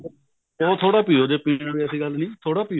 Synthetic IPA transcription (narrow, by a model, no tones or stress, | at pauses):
ɔ̃ːt̪ʰoːɽaːpiːoːd͡ʒeːpiːnːʋiːəsiːɡəlnĩːt̪ʰoːɽaːpiː